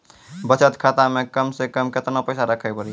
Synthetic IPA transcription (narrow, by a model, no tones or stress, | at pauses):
bət͡ʃət̪kʰat̪amẽkəmsekəmkɪt̪napəɪsaɾəkʰəpəɾi